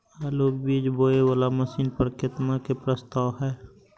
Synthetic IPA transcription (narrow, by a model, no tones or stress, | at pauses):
alobiːd͡ʒboːewaːlaməsiːnpəɾkət̪makepɾəst̪aːwɦɛː